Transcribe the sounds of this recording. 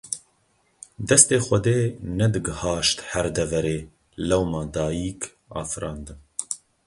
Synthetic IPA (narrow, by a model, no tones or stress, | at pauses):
d̪ɛst̪eːxʷɛd̪eːnɛd̪ɨɡɨhɑːʃt̪hɛɾd̪ɛvɛɾeː | lɛwmɑːd̪ɑːjiːk | ɑ̰ːfɨɾɑːnd̪ɨn